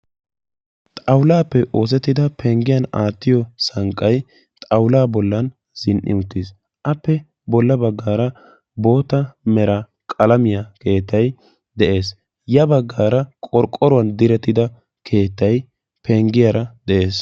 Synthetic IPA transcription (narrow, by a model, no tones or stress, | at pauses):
t̪ʼɐwlaːpːɛʔo̞ːs̬ɛt̪ːɪd̪ɐpʰɛŋɡɪjɐnaːt̪ːɪjɔsɐŋkʼːɐj | t̪ʼɐwlaːbɔlːɐn | z̥ɪnʔɪ̰ʊt̪ːis | ʔɐpːɛ | bɔlːɐbɐɡːaːɾɐ | bo̞ːt̪ɐmɛɾɐ | kʼɐlɐmɪjɐke̞ːt̪ːɐj | d̪ɛʔe̞ːs | jɐbɐɡːaːɾɐkʼɔɾkʼːɔɾʊwɐnd̪ɪɾɛt̪ːɪd̪ɐ | kʰe̞ːt̪ːɐj | pʰɛŋɡɪjɐɾɐd̪ɛʔe̞ːs